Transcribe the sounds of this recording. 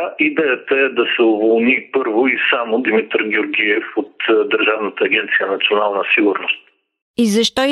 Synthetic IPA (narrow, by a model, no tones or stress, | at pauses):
ʔid̪ɛjət̪əɛd̪ɐsɛʊvolˠnipɤɾvoisamod̪imit̪ɾɡʲoɾɡʲiɛfot̪d̪əɾʒavnət̪əːɡʲɛnt̪sijənɐt̪sionalˠnəsiɡʊɾnost̪̚ | izɐʃt̪ɔ